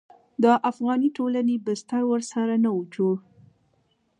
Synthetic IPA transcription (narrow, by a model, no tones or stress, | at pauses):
d̪əʔafɣɑniʈolanebɪst̪aɾwəɾsaɾanaud͡ʒo